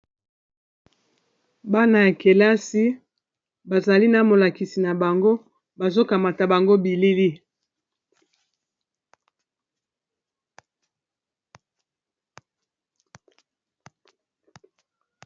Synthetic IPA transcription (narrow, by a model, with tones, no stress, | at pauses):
ba˦na˨ja˨ke˨la˦si˦ | ba˨za˨li˦na˨mo˨la˨ki˨si˨na˨ba˨ŋɡo˦ | ba˨zo˦ka˨ma˨ta˨ba˨ŋɡo˦bi˨li˦li˦